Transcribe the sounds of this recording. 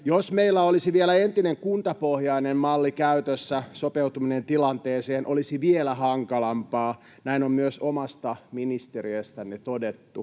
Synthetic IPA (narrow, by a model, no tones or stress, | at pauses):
josmeilːæolisiʋielæent̪ineŋkunt̪ɑpohjɑinemmɑlːikæyt̪øsːæsopewt̪uminent̪ilɑnt̪eːseːnʔolisiʋielæhɑŋkɑlɑmpɑː | næinommyøsomɑst̪ɑminist̪eɾiøst̪ænet̪odet̪ːu